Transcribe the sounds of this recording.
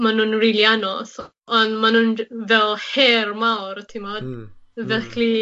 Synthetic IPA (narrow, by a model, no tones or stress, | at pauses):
manunrɪlˠjanɔθ | ɔndmanunvɛlˠhhɛrmawɾtʰimɔdvɛkʰli